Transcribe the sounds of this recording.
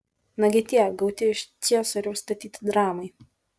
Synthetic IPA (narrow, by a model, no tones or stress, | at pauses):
nɐɡʲɪt̪ʲiːɛɡɐʊt̪ʲɪɪʃt̪sʲiɛsɐɾʲust̪ɐt̪ʲiːt̪ʲɪd̪ɾɑːmɐɪ